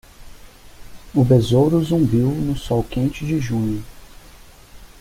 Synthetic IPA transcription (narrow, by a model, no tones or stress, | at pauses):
ʊbezowɾʊzũmbiwnʊsɔwkẽnt͡ʃɪd͡ʒɪʒũɲʊ